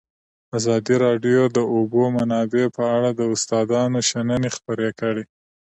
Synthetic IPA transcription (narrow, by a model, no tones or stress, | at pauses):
azɑd̪iɾɑɖjod̪əobomanɑbepəaɽad̪əʊst̪ɑd̪ɑnoʃanənexpəɾekəɽe